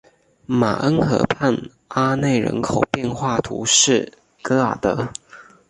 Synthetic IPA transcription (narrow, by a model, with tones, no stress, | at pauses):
ma̰˨˩ʔə˥nxɤ̰˧˥pʰa˥˩n | a˥ne˥˩ɪɻə̰˧˥nkʰo˨˩ʊpjɛ˥˧nxwa˥˩t̪ʰṵ˧˥ʂɻ̩˥˩ | kɤ˥a̰˨˩t̪ɤ˧˥